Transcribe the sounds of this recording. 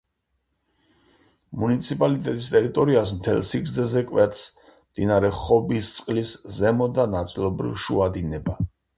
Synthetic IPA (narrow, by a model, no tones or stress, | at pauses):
munit̪sʰipʼalit̪ʼɛt̪ʼist̪ʼɛɾit̪ʼɔɾiasmt̪ʰɛ̰lsiɡɾd̪zɛzɛkʼwɛt̪ʰs | md̪̥inaɾɛχɔbist̪sʼqʼliszɛmɔd̪anat̪sʼilˠɔbɾḭvʃuad̪inɛba